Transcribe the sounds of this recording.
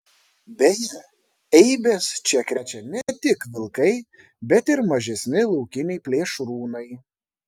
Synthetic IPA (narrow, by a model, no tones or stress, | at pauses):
bʲɛjɛ | ɛɪbʲeːst͡ʃʲɛkɾʲɛt͡ʃʲɛnʲɛt̪ʲɪkʋʲɪlˠkɐɪ | bʲɛt̪ɪɾmɐʒʲɛsʲnʲɪlˠɔʊkʲɪnʲɛɪpʲlʲeːʃɾuːnɐɪ